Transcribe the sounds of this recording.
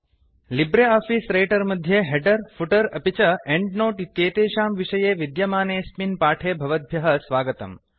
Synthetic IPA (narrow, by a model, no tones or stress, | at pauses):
libɾeaːfiːsɾeːʈɐɾmɐd̪ʱjeɦeɖɐɾfʰuʈɐɾɐpit͡ʃɐeɳɖnoːʈit̪jeːt̪eːʃaːmʋiʂɐjeːʋid̪jɐmaːneːsminpaːʈʰeːbʱɐʋɐd̪̚bʱjɐɦɐsʋaːɡɐt̪ɐ̰m